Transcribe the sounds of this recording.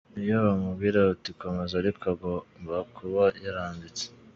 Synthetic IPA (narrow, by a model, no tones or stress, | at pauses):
ijoβamubɡiːɾautikomezaɾikʰaɡombakʰuβajaɾaːndit͡se̥